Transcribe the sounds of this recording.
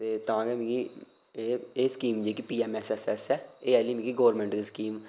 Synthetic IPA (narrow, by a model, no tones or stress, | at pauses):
t̪eːt̪əãːɡɛːmĩki | eːeːskiːmd͡ʒeːkipiːɛːmɛːsɛːsɛːsɛːeːɛːliːmiːkiɡoːɾmɛ̃ːɳʈd̪iːskiːm